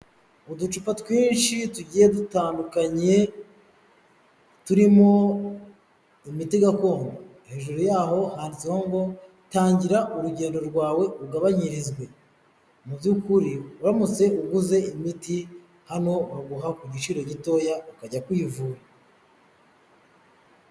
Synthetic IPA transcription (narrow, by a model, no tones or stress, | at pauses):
udut͡ʃupatwiːnʃituɟiːjedutaːndukaɲe̞ | tuɾimo̞ | imitiɡako̞ːnɡo | he̞ːʒuɾujaːɦo̞haːndisihoŋɡo̞ | taːɲɟiɾaʔuɾuɟe̞ːndo̞ɾɡwaːwe̞uɡaβaɲiɾizɡwe̞ | muβjukuɾiuɾamut͡se̞uɡuze̞imiti | hano̞βaɡuɦakuɟit͡ʃiɾo̞ɟito̞ːjaukaɟakwiːvuːɾa